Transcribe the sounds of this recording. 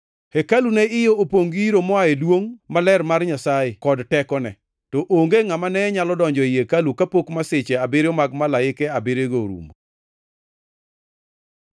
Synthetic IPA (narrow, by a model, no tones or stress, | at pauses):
hekalunɛɪjoopoŋɡiɾomɔaedwoŋmalɛrmarɲasajɪkɔdtɛkɔnɛ̰ | tɔʔoŋɡeŋamanɛɲalɔdɔɲd͡ʒɔɪjekalukapokmasɪt͡ʃɛabɪɾjɔmaɡmalaɪkɛabɪɾeɡoɾṵmo